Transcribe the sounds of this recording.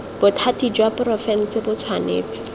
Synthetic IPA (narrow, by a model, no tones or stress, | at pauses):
b̥ʊtʰatid͡ʒwaprɔfɛn̩sɪbʊt͡sʰwanḛːt͡sɪ̥